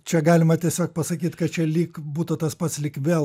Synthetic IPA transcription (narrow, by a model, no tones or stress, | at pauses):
t͡ʃʲɛɡɑːlʲɪmɐt̪ʲiɛsʲoːk̚pɐsɐkʲiːt̪kɐt̪t͡ʃʲɛlʲiːkbuːt̪ʊt̪ɐspɐt̪slʲikʋʲeːl